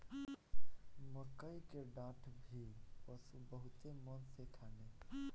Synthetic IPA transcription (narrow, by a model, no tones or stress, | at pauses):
məkəikeɖaːʈʰbʱipəsubəɦʊt̪emənsekʰaːne